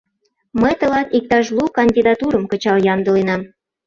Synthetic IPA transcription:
məjt̪ə̆lɑt̪ik̚t̪ɑʃ̬lukɑnʲd̪ʲid̪ɑt̪uɾə̆mkɤ̆t͡ɕɑljɑnd̪ə̆lenɑm

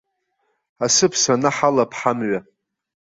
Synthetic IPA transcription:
asɨpʰsanaħalapʰħamɥa

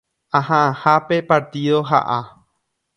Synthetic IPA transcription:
ãhãʔãhape̞paɾt̪iðoɦa̰ʔa

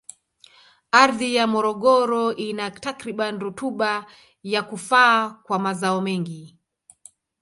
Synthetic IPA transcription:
aɾðijamɔɾɔɠɔɾɔʔinatakɾiɓanɾutuɓa | jakufaːkwamazaɔmɛŋɡi

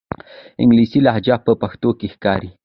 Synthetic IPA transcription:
ɪ̰ŋɡlisilahd͡ʒapəpaxt̪okexkɑɾi

